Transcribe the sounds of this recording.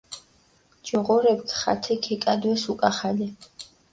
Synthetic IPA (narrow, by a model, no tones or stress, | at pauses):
d͡ʒɔʁɔɾɛbkʰχa̰t̪ʰɛkʰɛkʼad̪wɛsukʼaχalɛ